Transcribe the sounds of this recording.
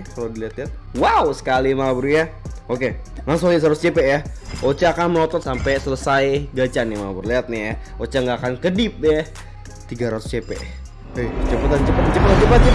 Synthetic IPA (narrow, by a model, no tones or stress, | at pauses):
kalodiliat̪liɦat̪̚wawsə̥kalimabuɾujaokemaŋs̬ʊŋis̬ɾat̪ʊst͡ʃepɛʔjaot͡ʃakanməlɔt̪ɔt̪sampɛsələsajɡat͡ʃanɪmabuɾliat̪̚nɪja | ot͡ʃaŋɡakankədɪp̚na | t̪iɡaɾat̪ʊ̥st͡ʃepḛʔ | ojt͡ʃəpat̪ant͡ʃəpat̪at͡ʃəpat̪ant͡ʃəpat̪̚t͡ʃ